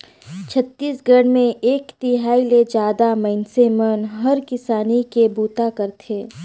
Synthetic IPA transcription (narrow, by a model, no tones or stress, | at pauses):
t͡ʃʰət̪ːiːsɡəɽmẽeːkt̪iɦaːiled͡ʒaːd̪amɛɪnsemənɦɐɾkɪsaːnikebuːt̪akəɾt̪ʰeː